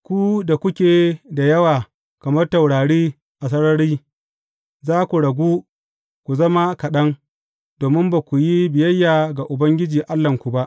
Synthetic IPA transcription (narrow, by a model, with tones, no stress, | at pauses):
kʷu˦da˨kʷʊ˦kʲeː˨da˨jɐ˦waː˨ | kɐ˨mɐ˦rtɐ˨wɽaː˨ɽiː˦ | ʔa˨s̬ɐ˦ɽɐ˦ɾiː˦ | zaː˦kʷu˨ɽɐ˨ɡʷuː˦ | kʷu˨zɐ˦ma˦kɐ˨ɗɐ˦ŋ | d̥oː˨mɪ˦mba˨kʷu˨ji˦bɪ˨jɐ˦jːaː˨ɡa˨ʔʊ˨bɐ˦ŋɡʲɪ˦d͡ʒiː˨ʔa˦lːɐ˨ŋkʷu˨ba˦ʔ